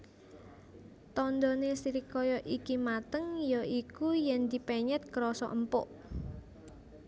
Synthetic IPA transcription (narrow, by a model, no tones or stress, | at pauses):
t̪ɔnd̪ɔnesiɾikɔjɔʔikimat̪əŋjɔikujɛnd̪i̤pɛɲɛt̪̚kəɾɔsɔ̰ʔəmpʊ̰ʔ